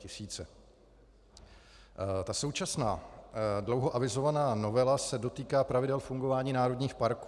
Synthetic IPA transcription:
ɪsiːt͡sɛ | t̪aso̞wt͡ʃasnaːdlo̞wɦo̞ʔavɪzo̞vanaːno̞vɛlasɛdo̞t̪iːkaːpɾavɪdɛlfuŋɡo̞vaːɲiːnaːɾodɲiːxpaɾku

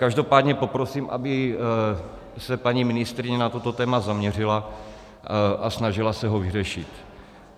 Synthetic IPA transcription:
kaʒdo̞paːd̪ɲɛpo̞pɾo̞siːmʔa̰bɪ | sɛpaɲiːmɪnɪst̪ɾɪɲɛnat̪ot̪o̞t̪ɛːmazamɲɛr̝ɪla | ʔasnaʒɪlasɛɦo̞vɪrɛʃɪt̪

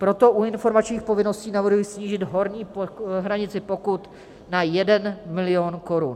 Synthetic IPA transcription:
pɾo̞t̪o̞ʔuɪnfo̞ɾmat͡ʃɲiːxpo̞vɪno̞sciːnavr̩ɦujisɲiːʒɪd̪ɦo̞ɾɲiːpoɦɾaɲɪt͡sɪpo̞kut̪ | najɛdɛnmɪlɪo̞nko̞ɾun

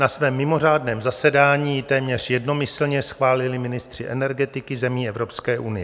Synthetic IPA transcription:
nasvɛːmːɪmo̞r̝aːdnɛːmzasɛdaːɲiːt̪ɛːmɲɛr̝̥jɛdno̞mɪsl̩ɲɛsxvaːlɪlɪmɪnɪst̪r̥ɪʔɛnɛɾɡɛt̪ɪkɪzɛmiːɛvɾo̞pskɛːʔunɪjɛ

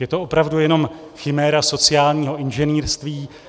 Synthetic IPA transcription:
jɛt̪o̞ʔopɾavdujɛno̞m | xɪmɛːɾaso̞t͡sɪaːlɲiːɦo̞ʔɪnʒɛniːɾst̪viː

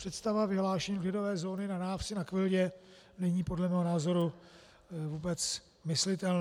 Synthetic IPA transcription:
pr̥ɛt̪st̪avavɪɦlaːʃɛɲiːvlɪdo̞vɛːzo̞ːnɪnanaːfsɪnakvɪlɟɛ | nɛɲiːpo̞dlɛmɛːɦonaːzo̞ɾu | vuːbɛt͡s | mɪslɪt̪ɛln

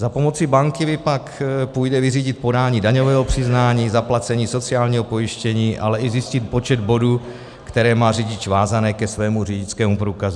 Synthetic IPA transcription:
zapo̞mo̞t͡sɪbaŋkɪmɪpakpujdɛvɪriːɟɪt̪̚po̞daːɲiːdaɲovɛːɦopr̝̥ɪznaːɲiːzaplat͡sɛɲiːso̞t͡sɪaːlɲiːɦopo̞jɪʃcɛɲiːʔa̰lɛʔɪzɪscɪt̪po̞t͡ʃɛd̪̚bo̞duː | kt̪ɛɾɛːmaːrɪɟɪt͡ʃvaːzanɛːkɛsvɛːmurɪɟɪt͡skɛːmupɾuːkazu

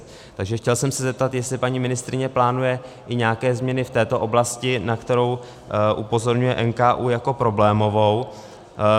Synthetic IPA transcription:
t̪aɡʒɛxcɛlsɛmsɛzɛp̚t̪at̪jɛst̪lɪpaɲimɪnɪst̪ɾɪɲɛplaːnujɛ | ʔɪɲaːkɛːzmɲɛnɪft̪ɛːt̪o̞ʔo̞blascɪnakt̪ɛɾo̞w | ʔupo̞zo̞ɾɲujɛʔɛnkaːʔuːjako̞pɾo̞blɛːmo̞vo̞w

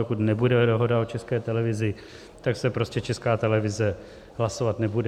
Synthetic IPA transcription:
okut̪nɛbudɛdoɦo̞daot͡ʃɛskɛːt̪ɛlɛvɪzɪ | t̪aksɛpɾoscɛt͡ʃɛskaːt̪ɛlɛvɪzɛ | ɦlaso̞vat̪nɛbudɛ

